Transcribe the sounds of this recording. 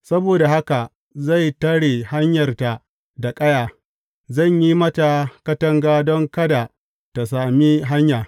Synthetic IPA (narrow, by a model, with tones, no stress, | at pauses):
sɐ˦boː˨da˨ha˦ka˨ | za˦˨jtɐ˦ɽeː˨ha˦ɲjɐ˨rta˨ | da˨kʼɐ˦jaː˨ | zɐ˦˨ɲji˦mɐ˦ta˨kɐ˦tɐ˦ŋɡaː˦dɔ˦ŋkɐ˦da˨ | ta˨saː˨mi˦ɦa˦ɲjaː˨